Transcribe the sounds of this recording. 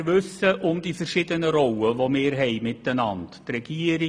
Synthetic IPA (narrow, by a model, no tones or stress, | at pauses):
ʋʉsəʔʊmdiːfɛɾʃɪd̪ənəɾɔwəʋomɪːɾɦɛɪmɪtənɑndtrɛɡ̥iəɾɪ